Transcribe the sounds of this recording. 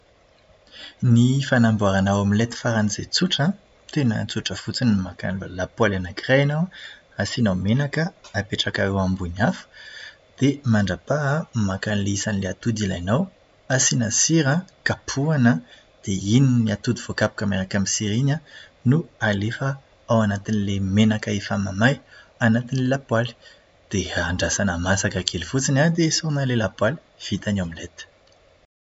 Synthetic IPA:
nifanambuaɾanawamilet̪i̥faɾanizḛt͡suʈ͡ʂə | t̪enə̰t͡suʈ͡ʂəfut͡sinmaka̰nlulapwalanakrajanaw | asinawmenakəapeʈ͡ʂakaewambuɲafə̥ | d̪̥emaɳɖ͡ʐapamakanlisanileat̪ud̪ilajnaw | asinasiɾəkapʰuanə | d̪̥eininiat̪ud̪iv̥okapu̥kəmenakamisiɾiɲə | nualefə | awanat̪inilemenakaefamamajanat̪inilelapwali̥ | d̪̥eaɳɖ͡ʐasanəmasakakʰelifut͡sinad̪esunalelapwali̥ | v̥it̪aɲamilet̪ə̥

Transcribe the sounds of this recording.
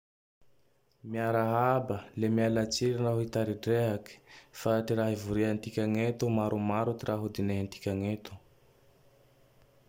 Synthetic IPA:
miaɾaɦabəlemialat͡siɾinraɦit̪aɾiɖ͡ʐeɦaki̥faʈ͡ʂiraɦivuɾiant̪ikʲaŋet̪umaɾumaɾut̪iraɦud̪ineɦant̪i̥kʲaŋet̪u̥

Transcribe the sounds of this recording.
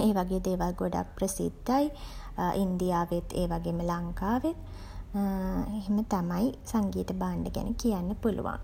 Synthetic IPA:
eːʋaɡeːd̪eːʋalɡoɖa̰k̚prəsḭd̪ːaj | ʔind̪ijaːʋet̪ʰːeːʋaɡeːməlaŋkaːʋet̪ | eɦemət̪amajsaŋɡiːt̪əbaːɳɖəɡæ̰nʔəkijanːəpulṵʋa̰ŋ

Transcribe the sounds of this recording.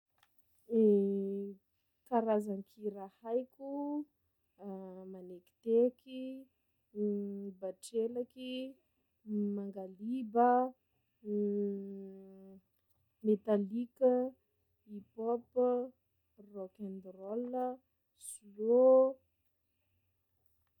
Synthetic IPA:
e | kaɾazanikʰiɾahajkʲu | maneki̥t̪eki | baʈ͡ʂelaki | maŋɡalibə | met̪alikə | ipop | rokand̪rɔlːə | sio

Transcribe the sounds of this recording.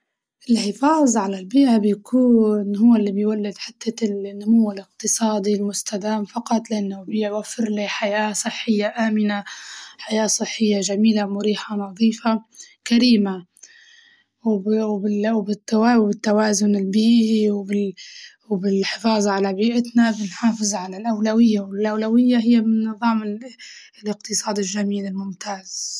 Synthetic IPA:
ʔɪlħɪfɑːzˤʕalalbiːʔabjakʰuːnɦʊwːalːibɪjwalːɪd̪ħɪt̪ʰːanːʊmʊwːɪlɪqt̪ɨsˤɑːd̪ˤilmʊst̪ʰad̪aːmfɑqɑt̪ˤlɪʔanːʊbjwafːɪɾliħajaːsˤɨħːɪjːaʔaːmɪnaħajaːsˤɨħːɪjːaʒamiːlamʊɾiːħanɑðˤiːfa | kaɾiːma | wɪwbɪt̪ːawawbɪt̪ːawaːzʊnɪlbiːʔiwbɪ | wbɪlħɪfɑːzˤʕalabiːʔɪt̪nabɪnħɑːfɨzˤʕalalʔawlawɪjːawɪlʔawlawɪjːaɦɪjːamɪnːɨðˤɑːmɪ | lɪqt̪ɨsˤɑːd̪ɪlʒamiːlɪlmʊmt̪aːz̥

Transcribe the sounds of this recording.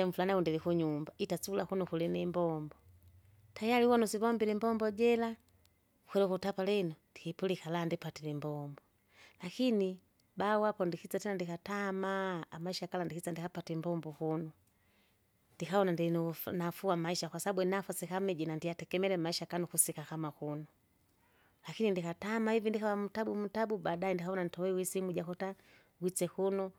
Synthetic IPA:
ɛɱ̩fulanaundilikuɲumbaitat͡sulakunukulinimbɔmbɔ | tajaliuwɔnusiβɔmbilimbɔmbɔɟɛla | kwɛlɛkutapalɛnɔndikipulikalandipatilimbɔmbɔ | lakini | bawapɔndikit͡satɛnandikatamaːmaiʃakalandikit͡sandikapatimbɔmbɔhunu | ndikaɔnandinnafuamaiʃakwasaabunafasikamɛd͡ʒinandiatɛkɛmɛlɛmaiʃakanukusikakamakunɔ | lakinindikatamahivindikawam̩tabum̩tabubaɗaɛndikaɔnanitɔwɛwisimud͡ʒakɔta | ɡwit͡ʃɛhunu

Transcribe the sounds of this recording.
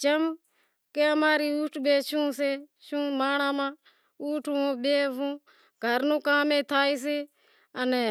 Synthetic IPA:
t͡ʃəm | keəmaːɾiːuːʈʰɓeːʃũːseːʃũːmaːɳ̃ãːmãː | uːʈʰuõːɓeːʋũː | ɡʱəɾnũːkaːmẽːt̪ʰaːiːs̬eː | ənɛː

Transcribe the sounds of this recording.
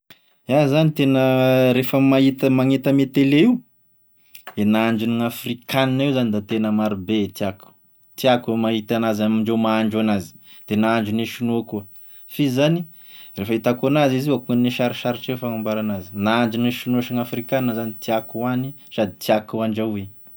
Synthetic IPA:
azanit̪enəɾefəmait̪əmaŋet̪əmet̪eleiu | d̪enaaɳd͡ʒuniŋafrikaninewzanid̪at̪enəmaɾubet̪iaku̥ | t̪iakumaɦit̪anazamiɳɖ͡ʐewmaaɳɖ͡ʐuanazi̥d̪̥enaaɳd͡ʒuneʃunuakuə | fizani | refəit̪akuanaziziakuŋanneʃaɾiʃaɾiʈ͡ʂewfaŋambaɾanazinaaɳd͡ʒuneʃinuaʃiŋafrikaninəzanit̪iakuani | sad̪it̪iakuaɳɖ͡ʐawe

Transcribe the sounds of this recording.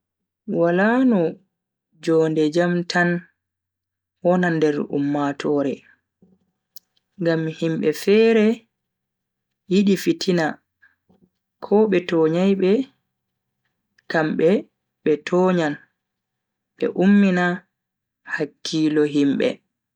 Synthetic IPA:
walaːnɔ | d͡ʒɔːndɛd͡ʒamtan | wɔnandɛɾṵmːatʰɔːɾɛ | ŋɡamhimɓɛfɛːɾɛ | jiɗifitʰina | kʰɔɓɛtɔːɲajɓɛ | kamɓɛ | ɓɛtʰɔːɲan | ɓɛ̰ʔumːina | hakːilɔɦimɓɛ̰

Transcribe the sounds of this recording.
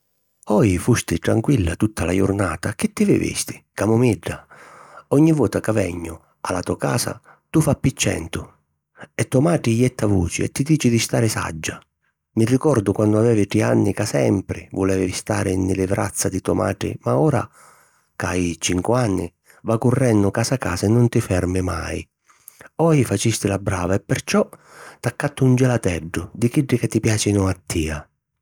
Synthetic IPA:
ɔjifust̪ɪʈ̪ɾaŋkwilːat̪ut̪ːalajʊ̰rnaːt̪akɪt̪ːɪvɪ̰vḭst̪ɪ̥kamʊmiɖːa | ɔɲːivɔːt̪akavɛɲːʊ | alat̪ɔka̰ːsa̰ | t̪ufapːit͡ʃːɛ̰nt̪ʊ | ɛt̪ːɔmaːʈɪjɛt̪ːavuːt͡ʃɪ̰ɛ̰t̪ːid̪iːt͡ʃɪd̪ɪst̪aːɾɪsa̰d͡ʒːa | mɪrːikɔrd̪ʊkwand̪ʊavɛːvɪʈianːɪkasɛmpɾɪvʊlɛːvɪvist̪aːɾʔɪnːɪlɪvɾa̰t̪sːad̪ɪt̪ɔma̰ːʈɽɪ̰maɔːɾa̰ | kajt͡ʃiŋkwanːɪ̰ | vakʊrːɛnːʊkaːsakaːsaɛnːʊnt̪ɪfɛrmɪma̰j | ɔjfat͡ʃist̪ɪlabɾa̰ːvaɛpːɛrt͡ʃɔt̪akːat̪ːʊund͡ʒɛlat̪ɛɖːʊd̪ikiɖːɪkat̪ːipjaːt͡ʃinʊat̪ʰːiːa

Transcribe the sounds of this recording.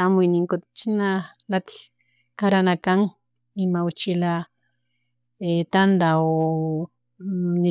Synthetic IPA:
amʊjnɪŋkot̪t͡ʃinalat̪i̥ | kaɾanakaŋ | imaʊt͡ʃila | et̪and̪ao | ni

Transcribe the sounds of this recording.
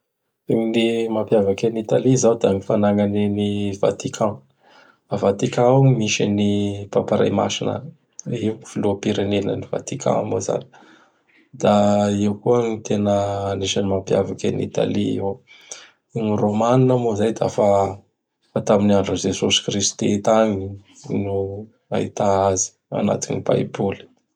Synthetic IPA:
eminimapjavakenit̪alizawd̪amifanaŋaneniva̰t̪ikʰã | avat̪ikãaimiʃa̰nipapaɾa̰jma̰sinə̰ | iv̥ilupiɾenenə̰niva̰t̪ikʰã̰moza̰ni | d̪̥aiwkuənit̪ʰenəːneʃanimampjavakʲanḭt̪a̰liiw | niromaninamozajd̪a̰fa | fat̪aminiaɳɖ͡ʐuzesosi̥krist̪et̪aŋinu | a̰it̪aazi̥ | a̰na̰t̪inipa̰ibuli̥

